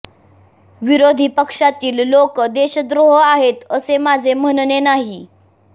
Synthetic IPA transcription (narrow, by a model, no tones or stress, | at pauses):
ʋiɾod̪ʱipəkʂat̪iːllokəd̪eɕəd̪ɾoɦəaɦet̪əsemad͡zʱem̤ənnenaɦi